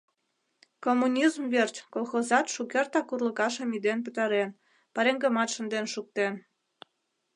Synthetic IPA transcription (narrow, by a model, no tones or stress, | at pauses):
komːunʲizmvert͡ɕkolˠxozɑt̪ʃukert̪ɑkurləkɑʃəmid̪enp̬ə̆t̪ɑɾen | pɑɾeŋɡəmɑt̪ʃə̆nd̪enʃuk̚t̪en